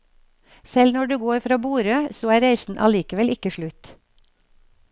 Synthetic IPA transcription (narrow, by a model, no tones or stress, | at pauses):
sɛlnɔɖʉːɡoːɾfɾɑːbuːɾøːsoːæːɾæɪsn̩ʔɑ̰liːkəʋɛlɪkəʃɭʉt̪